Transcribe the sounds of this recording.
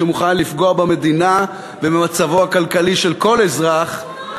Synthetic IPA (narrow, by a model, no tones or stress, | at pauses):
emuχanlifɡo̞abeme̞d̪ina | vememat͡savo̞akalkaliʃe̞lko̞lezʁaχ